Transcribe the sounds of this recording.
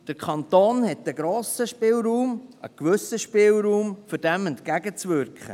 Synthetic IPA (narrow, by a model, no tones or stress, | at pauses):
d̥əɾkʰɑnt̪oːnhɛt̪əɡɾoːsəʃpɪːlɾuːmə̰kʋɵsəʃpɪlˠɾuːmfʏd̥ɛmɛntkæɡət͡sʋʏɾkχə̰